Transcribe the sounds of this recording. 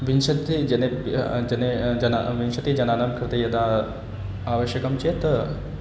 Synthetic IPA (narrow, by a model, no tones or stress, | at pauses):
ʋinʃɐt̪id͡ʒɐned͡ʒɐned͡ʒɐna̰ʋinʃɐt̪id͡ʒɐnaːnamkʰɾɪt̪ɐjɐd̪a | aːʋɐʃjɐkɐmt͡ʃet̪